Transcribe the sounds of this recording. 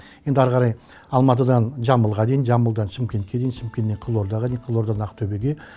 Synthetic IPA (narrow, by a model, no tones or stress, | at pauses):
je̞nd̪ɑɾʁɑɾɑj | ɑlˠmɑt̪̬əd̪ɑnʒɑməlˠʁɑd̪e̞jinʒɑməlˠd̪ɑnʃɪmkʲe̞nt̪kʲe̞d̪ejinʃɪmkʲe̞nːe̞ɴqʰəlˠoɾd̪ɑʁɑd̪ejɴqʰəlˠo̞ɾd̪ɑɑnɑqət̪ʰɵbe̞ɡʲe̞